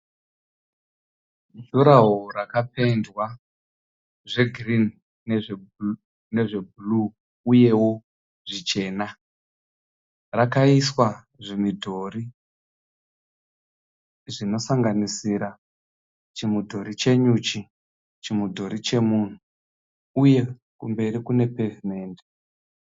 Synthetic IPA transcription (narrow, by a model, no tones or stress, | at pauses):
ɮuɾaɦorakape̞ndwa | ʐe̞ɡʱrin | neʐ | ne̞ʐe̞bʱulu | uje̞wo̞ | ʐit͡ʃe̞ːna | rakaiswa | ʐemidʱo̞ri | ʐino̞saŋɡanisiɾa | t͡ʃimudʱo̞ɾit͡ʃe̞ɲut͡ʃi | t͡ʃimudʱo̞ɾit͡ʃe̞mun̤u | uje̞ | kumbe̞ɾikune̞pe̞vime̞ːnde